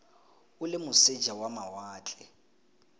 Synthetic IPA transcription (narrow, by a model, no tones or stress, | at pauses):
ʊlɪmʊse̥d͡ʒʱawamawaːt͡ɬʼɛ